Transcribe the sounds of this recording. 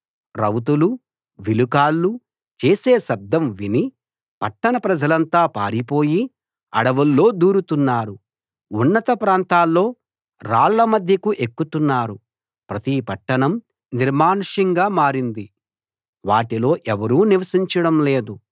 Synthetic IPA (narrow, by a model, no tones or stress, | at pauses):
ɾɐwt̪̬ulu | ʋilukaːlːu | t͡ʃeːseːʃɐb̚d̪ʱɐmʋini | pɐʈːɐnɐpɾɐd͡ʒɐlɐnt̪aːpa̰ːɾipo̞ːji | ɐɽɐʋɐlːo̞ːd̪uːɾut̪unːaːɾu | unːɐt̪ɐpɾaːnt̪aːlːo̞ː | ɾaːɭːɐmɐd̪ʱjɐkuʔe̞kːut̪unːaːɾu | pɾɐt̪ipɐʈːɐɳɐm | niɾmaːnʂɐŋɡaːmaːɾind̪i | ʋaːʈilo̞ːʔɛʋɐɾuːniʋɐsiɲt͡ʃɐɽɐmle̞ːd̪u